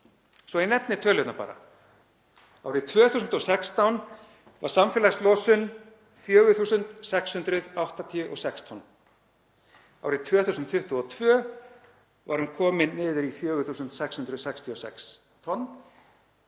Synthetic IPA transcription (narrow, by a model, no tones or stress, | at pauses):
svɔinɛt̪nɪt̪ʰœːlʏt̪napa̰ːɾa̰ | aːwɾɪt̪ʰvœːθuːsʏnt̪ɔsɛkst̪awn | va̰ɾ̥samfɛlajst̪lɔːsʏn | fjœːɣʏθuːsʏnt̪sɛkshʏnt̪ɾʏðawht̪at̪ʰiʏʔɔ̰sɛkst̪ʰɔnː | a̰wɾɪt̪ʰvœːθusʏnt̪fʏht̪ɔɔt̪ʰvœː | vaɾhʏmkʰɔːmɪnːɪːðɪɾiθjœːɣʏθuːsʏnt̪sɛkshʏnt̪ɾʏðsɛkst̪ʰiɔsɛ̰ks | t̪ʰɔnː